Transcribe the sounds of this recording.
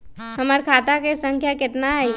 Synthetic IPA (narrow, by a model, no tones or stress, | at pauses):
hɐməɾkʰaːt̪akesə̃ŋkʰjakɪt̪naɛ